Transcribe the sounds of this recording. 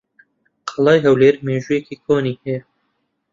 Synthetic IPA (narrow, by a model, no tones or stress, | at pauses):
qʰɑlˠɑːjɦɐwleːɾmeːʒuːjekiːkʰoːniːhɛjɛ